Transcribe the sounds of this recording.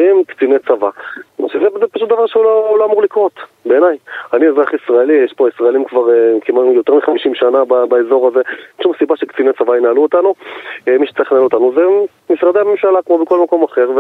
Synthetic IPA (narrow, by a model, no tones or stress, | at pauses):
imkt͡sinet͡savaʃezezepaʃut̚d̪avaʁʃeuloloamuʁlikʁo̞t̪ | beːnajaniezʁaχisʁaelijɛʃpoisʁaelimkvaʁekimanujotʁmiχamiʃimʃanababaezo̞ʁaze̞nʃumsibaʃekt͡sinet͡savainaːluot̪anuemiʃe̥t͡saʁiχnalot̪anuze | mifʁad̪eamemʃalakmo̞beko̞lmako̞maχe̞ʁve